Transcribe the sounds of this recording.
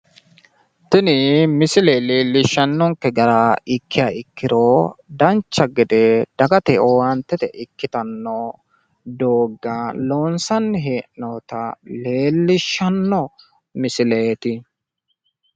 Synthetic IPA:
t̪ɪnɪmɪsɪleːleːlːɪʃːɐnːɔŋkːɛɡɐɾaɪkʰːɪjaɪkːɪɾoːd̪ɐnt͡ʃːɐɡɛd̪ɛd̪̥ɐɡɐt̪ɛowɐnt̪ːɛt̪ɛ̰ʔɪkːɪt̪ɐnːo | d̪oːɡːaloːnsɐnːɪɦeːʔnoːt̪ɐle̞ːlːɪʃːɐnːɔ | mɪsɪleːt̪ɪ

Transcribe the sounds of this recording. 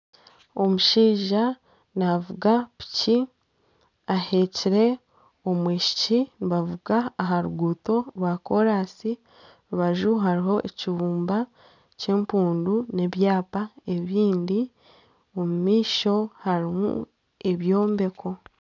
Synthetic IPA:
o̞muʃiːʒa | navuɡapi̥ci | ahe̞ciɾe̞ | o̞mweːʃi̥ciniβavuɡaːɦaɾuɡuːto̞ɾwaːko̞ɾaːsi | ɾuβaʒuɦaɾiɦo̞ʔeciβuːmba | ce̞ːmpuːndune̞βjaːpae̞βiːndi | o̞mumiːʃo̞haɾimṵ | e̞βjo̞ːmbe̞kʰo̞

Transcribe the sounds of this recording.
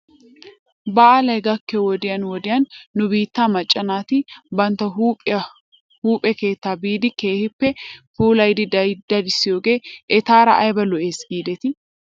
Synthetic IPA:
bɐʔalɐjɡɐkːɛwɔd̪ɪjɐnwɔd̪ɪjɐnːʊbiːt̪ːaːmɐt͡ʃʼːɐnaːt̪ɪbɐnt̪ɐ | huːpʼɛke̞ːt̪ːaːbiːd̪ɪke̞ːhɪpːɛfuːlɐjd̪ɪd̪d̪ɐd̪ɪsːɪjoːɡeːʔɛt̪aːɾɐ̰ʔɐjbɐlɔʔeːsɡiːd̪ɛt̪ɪ

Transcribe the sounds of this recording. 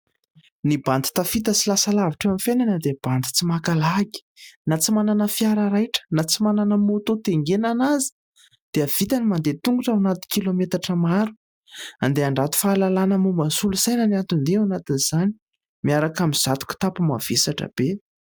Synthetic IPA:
nibant̪i̥t̪afit̪əsilasalaviʈ͡ʂeamifenanəd̪eb̥ant̪i̥t͡simakalaɡi̥nat͡simananəfiaɾaɾajʈ͡ʂə̥nat͡simananəmot̪ot̪eŋɡenanazi̥ | d̪̥eav̥it̪animand̪et̪uŋɡuʈ͡ʂawnat̪i̥kilomet̪aʈ͡ʂəmaɾu̥ | and̪eaɳɖ͡ʐat̪u̥faːlalanəmumasulusajnəniant̪und̪eanat̪inz̥ani̥ | miaɾakamiz̥at̪u̥kʲu̥t̪apumav̥esaʈ͡ʂə̰b̥e

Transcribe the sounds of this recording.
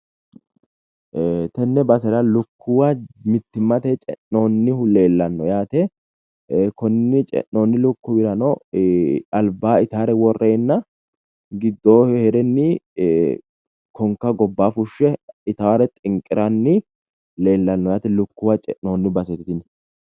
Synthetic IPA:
t̪ɛnːɛbɐsɛɾɐlʊkʰːʊwɐmɪt̪ːɪmːɐt̪ɛt͡ʃʼɛ̰nːo̞ːnːɪhʊle̞ːlːɐnːɔjaːt̪ɛ | kɔnːɪt͡ʃʼɛ̰nːoːnːɪlʊkːʊbɪɾɐnɔ | ɐlbaːɪt̪aːɾɛwɔrːeːnːɐ | ɡɪd̪ːoːhhɛɾɛnːɪ | kʰɔŋkːɐɡɔbːaːfʊʃːɛɪt̪ɐwɐɾɛt̪ʼɪŋkʼɪɾɐnːɪ | le̞ːlːɐnːɔjaːt̪ɛlʊkːʊwɐt͡ʃʼɛ̰ʔo̞ːnːɪbɐsɛt̪ɪt̪ɪnɛ

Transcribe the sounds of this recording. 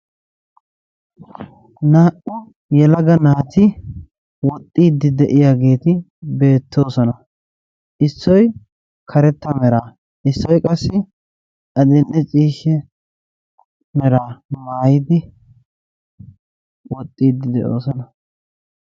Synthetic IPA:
naːʔʊ | jɛlɐɡɐnaːt̪ɪ | wɔt̪ʼːiːd̪ːɪd̪ɛʔɪjaːɡe̞ːt̪ɪ | be̞ːt̪ːo̞ːsɔnɐ | ʔɪsːɔj | kʰɐɾɛt̪ːɐmɛɾaː | ʔɪsːɔjkʼɐsːɪ | ʔɐd̪ɛnʔɛt͡ʃʼiːʃːɛ | mɛɾaːmaːjɪd̪ɪ | wɔt̪ʼːiːd̪ːɪd̪ɛʔo̰ːsɔnɐ

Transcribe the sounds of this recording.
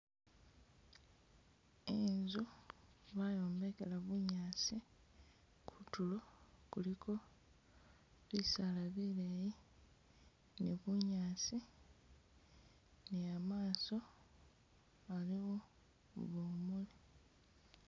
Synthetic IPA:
enzuβajoːmbekelaβuɲaːsi | kʰu̥tulokulikʰo̞ | βisalaβileːji | neβuɲaːsi | niamaːso̞ | aliɣo | βoːmuli

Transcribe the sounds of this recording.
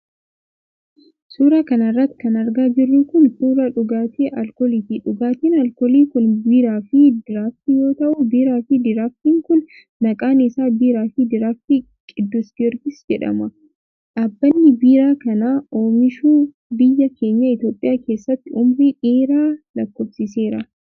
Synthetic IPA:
suːɾaːkɐnɐrːɐt̪ːɪ̥kɐnɐɾɡaːd͡ʒɪrːʊkʊnsuːɾaᶑʊɡaːt̪ʰeːʔɐlkɔliːt̪ɪᶑʊɡaːt̪iːnɐlkɔliːkʊnbiːɾaːfɪd̪ɪɾaːft̪ɪjo̞ːt̪ɐʔʊbiːɾaːfɪd̪ɪɾaːft̪iːŋkʊnː | ɐkʼaːnɪsaːbiːɾaːfɪd̪ɪɾaːft̪ɪ | kʼɪd̪ːʊsɡɪɾɡ̪ɪsd͡ʒɛᶑɐ̰mɐ | ʔɐbːɐnːɪbiːɾaːkɐnaːoːmɪʃuː | bɪjːɐke̞ːɲːɐɪt̪jo̞ːpʼɪjaːke̞ːsːɐt̪ːɪʊmɾiːᶑiːɾaːlɐkːofsɪse̞ːɾɐ

